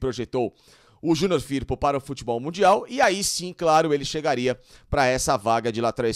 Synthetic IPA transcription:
pɾoʒet̪ow | ʊʒũnoɾfiɾpʊpaɾɐʊfut͡ʃibɔwmũnd͡ʒiawɪaisĩklaɾʊelɪʃeɡaɾiɐpɾɐɛsɐvaɡɐd͡ʒɪlat̪ɾaj

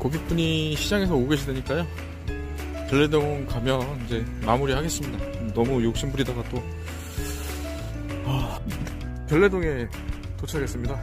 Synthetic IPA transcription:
kʌɡip͈uɲiɕʰid͡ʑaŋe̞s̬ʰʌoɡe̞ɕʰidweɲik͈ajo | kjʌɭːe̞doŋʌnkamjʌnid͡ʑe̞mamuɾiɦaɡe̞s͈ɯmɲida | nʌmujok̚ɕ͈imbuɾidaɡat͈o | ʌ | kjʌɭːe̞doŋe̞ | tot͡ɕʰaɡe̞s͈ɯmɲida

